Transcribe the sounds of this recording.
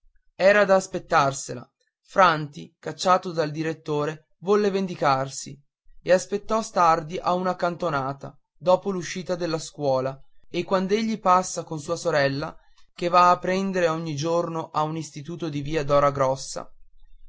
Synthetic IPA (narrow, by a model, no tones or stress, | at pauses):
ɛːɾad̪aːspet̪ːarsela̰ | fɾant̪ikat͡ʃːaːt̪od̪ald̪iɾet̪ːoːɾe | vɔlːevend̪ikarsi | easpet̪ːɔst̪ard̪iʔaunakant̪onaːt̪a̰ | d̪ɔːpoluʃːiːt̪ad̪elːaskwɔːlaekːwand̪oeʎːipasːakonsuːasoɾɛlːa | k̟evaːpːɾɛnd̪eɾeɔɲːid͡ʒornoʔaunist̪it̪uːt̪od̪iviːad̪ɔːɾaɡɾɔsːa̰